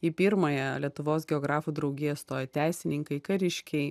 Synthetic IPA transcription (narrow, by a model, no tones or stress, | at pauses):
ipʲiɾmɐjɛlʲiɛt̪ʊʋoːsɡʲɛɔːɡɾɑːfuːd̪ɾɐʊɡʲɪjɛst̪oːjɛt̪ʲæɪsʲɪnʲɪŋkɐɪkɐɾʲɪʃʲkʲɛɪ